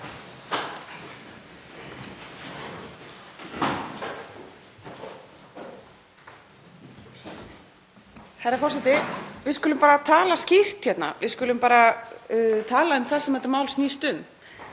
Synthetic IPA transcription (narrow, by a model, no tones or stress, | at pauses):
hɛɾafɔrsɛt̪ɪvɪðskʏlʏmpaːɾat̪ʰaːlascɪr̥t̪çɛt̪na̰ʋɪðskʏlʏmpaːɾa | t̪ʰaːlaʏmθasɛmɛt̪amaːwlsniːst̪ʏm